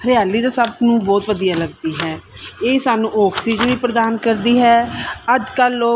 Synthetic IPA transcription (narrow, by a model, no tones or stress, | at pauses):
hɾɪjaːlːiːd̪aːsəbnũːbɔːt̪ʋəd̪ijaːləɡd̪iːɦɛːeːsaːnũːʔɔːksiːd͡ʒənʋiːpɾəd̪aːnkəɾd̪iːɦɛːəd͡ʒkəloː